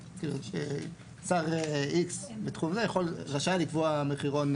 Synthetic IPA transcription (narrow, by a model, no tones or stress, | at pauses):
kilṵʃe | saʁiksbetχumzejeχo̞lʁaʃalikvoameχiʁo̞n